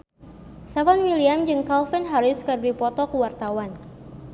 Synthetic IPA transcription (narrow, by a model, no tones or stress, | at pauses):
savanwiliamd͡ʒɨŋkalfinɦaɾɪskərdipɔt̪ɔkuwart̪awan